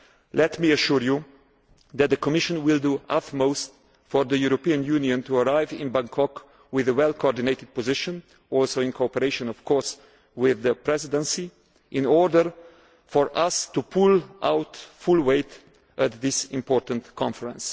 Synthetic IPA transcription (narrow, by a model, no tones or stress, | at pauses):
lɛtmiəʃuɹju | ðæt̪̚ðəkɔmɪʃə̃nwɪlˠduətmoʊst | fɔɹðəjuɾɔpiɨ̃njuniə̃ntuəɹaɪvɪ̰̃nbãŋkʰɔk | wɪðəwɛlˠkʰoɔɹdɪneɪtɪd̚pɔzɪʃə̃n | ɔlˠsoʊɪ̃nkʰoɔpəɾeɪʃə̃nɔv̥kʰɔɹs | wɪðəpɹɛzɪdə̃nsi | ʔɪ̃nɔɹdəɹ | fɔɹʔʌstupʰulʔaʊtfulˠweɪt | ʔət̪̚ðɪsɪ̃mpɔɹtə̃n̩tkʰɑ̃ɱfəɹə̃ns